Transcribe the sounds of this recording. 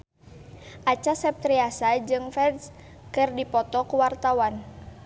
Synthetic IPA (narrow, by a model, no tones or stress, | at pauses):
ʔat͡ʃasɛp̚t̪ɾiasad͡ʒɨŋfɛds | kɨrdipɔt̪ɔkuwart̪awan